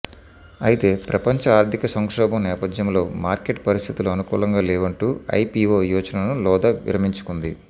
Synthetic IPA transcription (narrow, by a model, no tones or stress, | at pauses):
ɐjit̪e̞ːpɾɐpɐɲt͡ʃɐaːɾt̪ʰikɐsɐŋkʂɔːbɐmnɛːpɐd̪jɐmlo̞ːmaːɾke̞ʈpɐɾist̪ʰit̪uluɐnukṵːlɐŋɡaːlɛːʋɐɳʈuːɐ̰jpiʋoːjɔːt͡ʃɐnɐnulɔːd̪ɐʋḭɾɐmiɲt͡ʃu̥kund̪i